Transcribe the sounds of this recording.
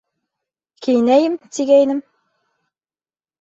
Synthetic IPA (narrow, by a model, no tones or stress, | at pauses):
kʰijnæjɘmt̪iɡæjnɘm